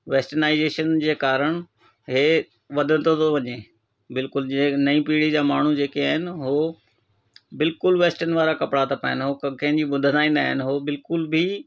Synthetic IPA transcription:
ʋeːsʈənaːɪzeːʃənd͡ʑeːkaːɾəɽ̃ | ɦeː | ʋɐd̪ʱə̃nt̪ʰot̪ʰoʋɐɲeː | bɪlkʊld͡ʑenɐĩpiːɽid͡ʑaːmaːɳ̤ud͡ʑeːkiaːɦɪnɪɦo | bɪlkʊlʋeːsʈənɪʋaːɾakɐpɽat̪ʰɐpaːɦɪnɪɦokkɐ̃ɦɪ̃d͡ʑiːɓʊd̪ʱənaːĩːnd̪aːɦɪnɪɦoːbɪlkʊlbʱi

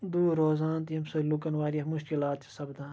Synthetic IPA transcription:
d̪uːɾoːzaːnt̪jɐmsɐlukɐnʋaːɾijɐmʊʃkilaːt̪t͡ʃʰɐ̥sɐbd̪ãː

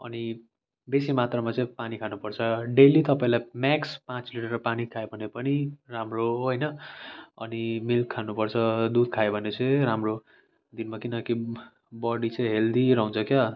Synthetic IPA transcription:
ʌ̰ni | besimat̪rʌmat͡sʌĩpanikʰanupʌrt͡sʰʌɖelit̪ʌpaĩlajmakspãt͡sliʈʌrʌpanikʰaebʱʌnepʌniramroɦojnʌʌ̰nimilkʰːanupʌrt͡sʰʌd̪ud̪̚kʰaebʱʌnet͡sʌ̃ĩramro | d̪inmakinʌki | bʌɽit͡sʌ̃ĩɦeld̪iɾʌũnt͡sʰʌkjʌ

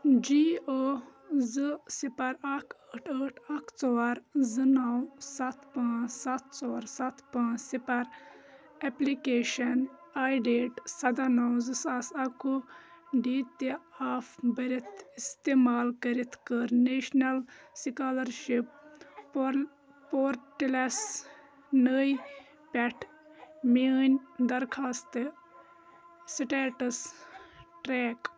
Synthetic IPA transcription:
d͡ʒio | zɨsipɐɾakʰəʈʰəːʈʰɐkʰt͡sɔːɾzɨnɐwsɐt̪pãːt͡ʃsɐt̪t͡sɔːɾsɐt̪pãːt͡ʃsipɐɾ | eplikeːʃɐn | aːjɖeːʈsɐd̪anawzɨsasɐkuɖit̪eaːfbɐɾit̪ʰist̪eːmaːlkɐɾit̪ʰkəɾneːʃnɐlsikaːlɐɾʃip̚ | poːɾʈilɐs | nəj | pʲɛʈʰ | minʲd̪ɐɾkʰast̪ɨ | siʈeːʈɐs | ʈɾeːk

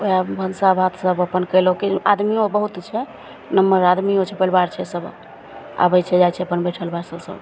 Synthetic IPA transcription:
oabʱənsabʱat̪səbəpənkəlokia̰d̪miobəɦut̪t͡ʃʰɛ | nəmːəɾad̪miot͡ʃʰɛpəlbaɾt͡ʃʰɛsəb | a̰bəjt͡ʃʰɛd͡ʒajt͡ʃʰɛəpənbəjʈʰəlbaɾsəbsə̰b

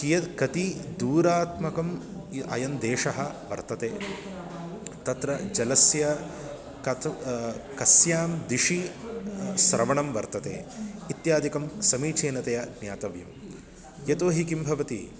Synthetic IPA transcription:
kijɐt̪kɐt̪id̪uːɾaːt̪mɐkɐmɐ̰jɐnd̪eːʂɐɦɐʋɐ̰ɾt̪ɐt̪eː | t̪ɐt̪ɾɐd͡ʒɐlɐsjɐ | kɐ | kɐsjaːmd̪iʂi | sɾɐʋɐɳɐmʋɐɾt̪ɐt̪ḛːit̪jaːd̪ikɐmsɐmiːt͡ʃeːnɐt̪ɐjɐnjaːt̪ɐʋjɐm | jet̪oːɦikimbʱɐʋɐt̪ḭ

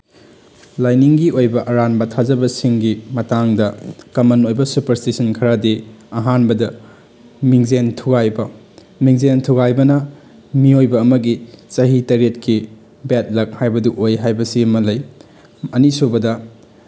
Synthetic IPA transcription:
lajniŋɡiʔojbɐʔɐɾanbɐtʰazɐbɐsiŋɡimɐtaŋdɐkɐmɐnojbɐsupɐɾstisɐnkʰɐɾadiɐɦanbɐdɐ | miŋzentʰuɡajbɐ | miŋzentʰuɡajbɐnɐ | miojbɐːmɐɡit͡ʃɐɦitɐɾetkʰi | bet̚lɐk̚hajbɐduʔojɦajbɐsiɐmɐlɐj | ɐnisobɐdɐ

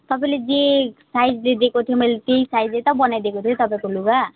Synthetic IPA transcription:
t̪ɔpãled͡zesajd͡zled̪ekot̪ʰijomʌjlet̪ejsajd͡zlet̪ɔbɔnajd̪ekot̪ʰijot̪ɔpãkoluɡa

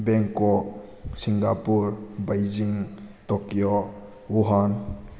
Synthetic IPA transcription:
bɛŋkɔk̚ | siŋɡapuɾbajd͡ʒiŋtɔkijɔ | uɦan

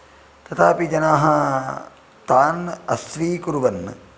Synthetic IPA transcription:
t̪ɐt̪aːpid͡ʒɐnaːɦɐ | t̪aːnɐsʋiːkuɾuʋɐnːɨ̰

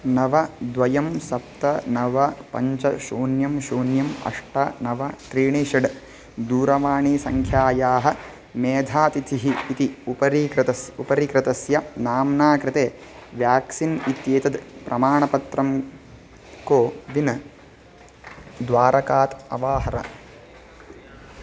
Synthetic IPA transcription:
nɐʋɐd̪ʋɐjɐmsɐp̚t̪ɐnɐʋɐpɐ̰ɲt͡ʃɐʃuːnjɐmʃuːnjɐmɐ̰ʂʈɐnɐʋɐt̪ɾiːɳiːʂɐɖ | d̪uːɾɐʋaːɳiːsɐŋkʰjaːjaːɦɐ̆ | meːd̪ʱaːt̪it̪ʰiɦiːt̪iupɐɾit̪ɐsupɐɾikɾɪt̪ɐsjɐnaːmnaːkɾɪt̪eːʋjaːksinit̪jeːt̪ɐd̪pɾʔɐmaːɳɐpɐt̪ɾɐm | koːʋinɐ | d̪ʋaːɾɐkaːt̪ɐ̰ʋaːɦɐɾɐ̰

